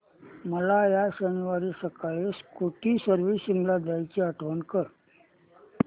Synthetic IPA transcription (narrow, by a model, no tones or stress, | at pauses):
məlajaɕənuʋaɾisəkaɭeskoʈiːsəɾʋisiŋɡlad̪ajt͡ɕiəʈʰʋənkəɾ